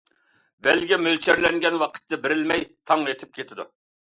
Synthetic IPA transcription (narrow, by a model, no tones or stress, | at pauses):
bɛlɡʲɛmølt͡ʃʰæɾlɛŋɡʲɛnwɑqʰə̥t̪ːɛbɪɾɪlmɛjt̪ʰɑŋet̪ʰɪp̚kʲʰet̪ʰɪd̪ṵ